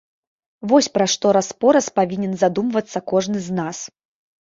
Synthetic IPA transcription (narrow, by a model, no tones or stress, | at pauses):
vɔsʲpɾaʂt̪ɔɾaspɔɾɐspavʲinʲɛnzad̪umvɐt̪sːɐkɔʐnɨznas